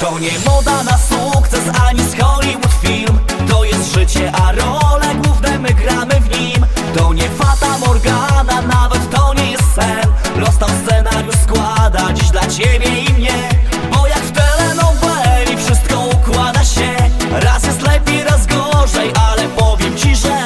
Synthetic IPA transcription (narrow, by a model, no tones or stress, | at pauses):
t̪ɔɲɛmɔd̪anasukt̪sɛsaɲisxɔlʲiwut̪fʲilmt̪ɔjɛst̪ʐɘt͡ɕɛʔaɾɔlɛɡwuvnɛmɘɡɾamɘvɲimt̪ɔɲɛfad̪amɔɾɡananavɛt̪ːɔɲɛjɛst̪sɛnpɾɔst̪awfst̪sɛnaɾjuskwad̪at͡ɕd̪lat͡ɕebʲjɛimɲɛbɔjakft̪ɛlɛnɔwvɛlʲifʂɘs̬t̪̚kɔukwad̪aɕɛɾasjɛst̪lɛppʲejɾazɡɔʐɛjʔalɛpɔvʲjɛmt͡ɕiʐɛ